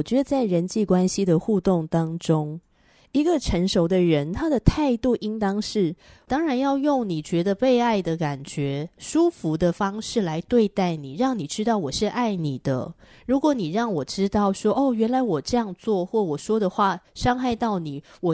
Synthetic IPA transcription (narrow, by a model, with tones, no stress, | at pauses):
ɔ˨˩t͡ɕɥɛ˧˥d̪ə˨˧t͡sa˥˩ɪɻə˧˦nt͡ɕi˥˩kwa˦nɕi˨d̪ə˨xu˥˧t̪o˥˩ŋt̪ɑ˥ŋʈ͡ʂʊ˥ŋ | i˧˥ɡə˨ʈ͡ʂʰə˧˥ŋʂo˧˥ʊd̪ə˨ɻə˧˥nt̪ʰa˥d̪ə˨t̪ʰa˥˧ɪt̪u˥˨˩ʔi˥ŋt̪ɑ˥ŋʂɻ̩˥˩ | t̪ɑ˥ŋɻa˧˥njɑ˥˧ʊjʊ˥˩ŋni˨˩t͡ɕɥɛ˧˥d̪ə˧pe˥˧ɪa˥˩ɪd̪ə˩ka˨˩nt͡ɕɥɛ˧˥ʂu˥fu˧˥d̪ə˨fɑ˥ŋʂɻ̩˥˩la˧˦ɪt̪we˥˧ɪt̪a˥˩ɪni˨˩ɻɑ˥˩ŋni˨˩ʈ͡ʂɻ̩˥t̪ɑ˥˩ʊwɔ˨˩ʂɻ̩˥˧ʔa˥˩ɪni˨˩d̪̥ə̰˦ | ɻu˧˥kwɔ˧˥ni˨˩ɻɑ˥˩ŋwɔ˨˩ʈ͡ʂɻ̩˥t̪ɑ˥˩ʊʂwɔ˥ʔo˥˩ɥɛ˧˥nla˧˥ɪwɔ˨˩ʈ͡ʂɤ˥˧jɑ˥˧ŋt͡swɔ˥˧xwɔ˥˩wɔ˨˩ʂwɔ˥d̪ə˨xwa˥˩ʂɑ˥ŋxa˥˧ɪt̪ɑ˥˩ʊni˨˩wɔ˨˩